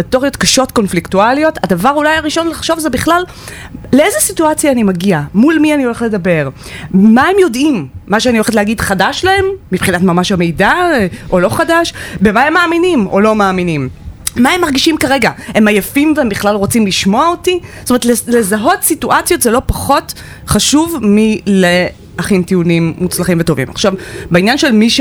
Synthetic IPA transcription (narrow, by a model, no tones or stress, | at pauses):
ito̞ʁio̞tkaʃo̞tko̞nfliktualijo̞tadavaʁulajaʁiʃo̞nlaχʃo̞vzebiχlal | lee̞zesituat͡sjaːnimaɡiamulmianio̞le̞χle̞dabe̞ʁ | maemjo̞dimːaʃeanioeetleaɡidχadaʃlahe̞mːipχinatmamaʃhame̞jdaʔo̞lo̞χadaʃbemaemːaːminimo̞lo̞maːminimːaemːaʁɡiʃimkaʁe̞ɡae̞majefimveembiχlalʁot͡simliʃmo̞aotistomeetlele̞zaɦo̞tsituʔat͡sjo̞tzelo̞paχo̞t | χaʃuvmile | aχimtiunimːut͡slaχimveto̞vḭma̰χʃavbainjanʃelmiʃ